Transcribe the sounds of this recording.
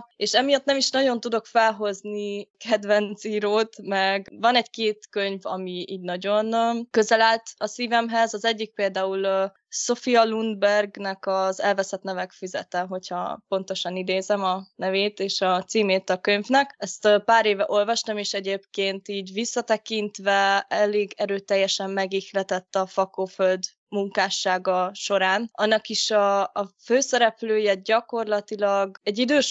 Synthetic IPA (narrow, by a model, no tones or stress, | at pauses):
eːʃɛmijɒt̪nɛmiʃnɒɟo̞nt̪ud̪o̞kfɛlɦo̞znikʰɛd̪vɛnt̪siːɾoːt̪mɛɡvɒnɛɟkeːt̪køɲvɒ̰miiːɟnɒɟo̞nːkø̞zɛlaːlt̪ɒsiːvɛmɦɛzɒzɛɟːik̚peːld̪aːul | so̞fiɒlund̪̚bɛrɡnɛkɒzɛlvɛsɛt̪nɛvɛkfizɛ̰t̪ɛɦo̞chɒ̰po̞n̪t̪o̞ʃɒnid̪eːzɛmɒnɛveːt̪eːʃɒt̪siːmeːt̪ɒkøɲvnɛkɛst̪paːɾeːvɛʔo̞lvɒʃt̪ɒmeːʃɛɟeːpkeːnt̪iːɟʋisːɒt̪ɛkint̪ʋɛɛleːɡɛɾøːt̪ɛjːɛʃɛmːɛɡixlɛt̪ɛt̪ːɒfɒkoːføld̪ | muŋkaːʃaːɡɒʃo̞ɾaːnɒnːɒkiʃɒːføːsɛɾɛpløːjɛɟɒko̞rlɒt̪ilɒɡɛɟːid̪øːʃ